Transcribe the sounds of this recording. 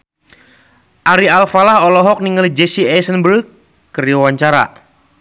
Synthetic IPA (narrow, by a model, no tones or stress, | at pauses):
ʔaɾialfalahɔlɔɦɔk̚niŋəlid͡ʒesiɛsənbəɾkː | əɾiawaɲt͡ʃaɾa̰